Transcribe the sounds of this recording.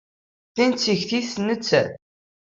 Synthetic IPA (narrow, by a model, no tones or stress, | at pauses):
θint͡sːiʝθiθnːət͡sːæθ